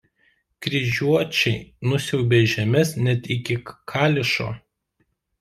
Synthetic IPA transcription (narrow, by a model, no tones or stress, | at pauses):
kɾʲɪʒʲuɔt͡ʃʲɛɪnʊsʲɛʊbʲeːʒʲɛmʲɛsnʲɛt̪ɪkʲɪkʰɑːlʲɪʃo̰ː